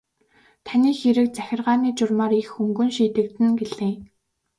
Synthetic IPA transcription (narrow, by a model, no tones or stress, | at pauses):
t̪ʰaniːxeɾɘ̆k̚t͡sæxʲɪ̆rʁaːniːt͡ɕʊrmaːɾixɵŋɡɵ̆nʃiːt̪ɘ̆k̚t̪ɘ̆nɡeɮɘ̆ːŋ